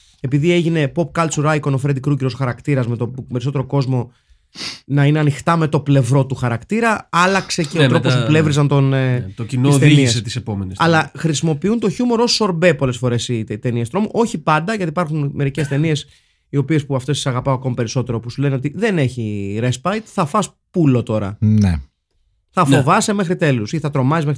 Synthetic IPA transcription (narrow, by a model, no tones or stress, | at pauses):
e̞piðie̞ʝine̞po̞p̚kɐlt̪t͡suɾɐiko̞nofɾed̪ikɾuciɾosxɐɾɐkt̪iɾɐzme̞t̪oe̞ɾiso̞t̪e̞ɾoko̞zmo̞ | nɐine̞ɐnixt̪ɐme̞t̪o̞ple̞vɾo̞t̪uxɐɾɐkt̪iɾɐɐlɐkse̞ceot̪ot̪ospuple̞vɾizɐnt̪ont̪ocinosðeinieset̪isepomensɐlɐxɾisimo̞piunt̪o̞çumo̞ɾosso̞ɾbe̞po̞lesfo̞ɾe̞sit̪e̞niest̪ɾo̞muʔo̞çipɐnd̪ɐʝɐt̪ipɐɾxunme̞ɾice̞st̪e̞nie̞s | io̞pie̞spuɐft̪e̞st̪isɐɣɐpɐoɐko̞mɐpe̞ɾiso̞t̪e̞ɾo̞pusule̞neo̞t̪iðe̞ne̞çiɾe̞spɐjt̪θɐfɐs | pulo̞t̪o̞ɾɐ̰nḛ | θɐfo̞vɐse̞me̞xɾit̪e̞lusiθɐt̪ɾo̞mɐzizmex